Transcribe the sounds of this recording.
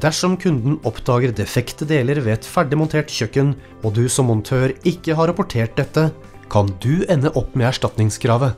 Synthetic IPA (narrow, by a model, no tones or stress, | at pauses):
d̪æʂɔmkʰʉnd̪n̩ɔpd̪ɑːɡəɾd̪ɛfɛkt̪əd̪eːləɾʋeːɛt̪fæɖɪmʊnt̪ʰeːʈçœkːən | ɔd̪ʉsɔmːʊnt̪ʰøːɾɪkːəɦɑɾɑpʊʈʰeːʈ̚d̪ɛt̪ːə | kʰɑnd̪ʉɛnːəʔɔpːmɛːæʂʈɑt̪nɪŋskʰɾɑːʋə